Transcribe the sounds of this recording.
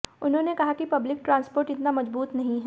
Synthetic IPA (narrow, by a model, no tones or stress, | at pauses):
ʊnɦõːnekɐɦakipɐblɪk̚ʈɾãːnspoːɾʈɪt̪namɐd͡ʒbuːt̪nɐɦĩɦɛ